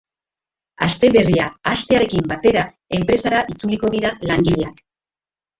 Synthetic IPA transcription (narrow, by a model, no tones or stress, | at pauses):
ast̪e̞βe̞riaast̪e̞aɾe̞kimbat̪e̞ɾa | e̞mpɾe̞saɾaʔit͡suliko̞ðiɾalaŋɡiʎeak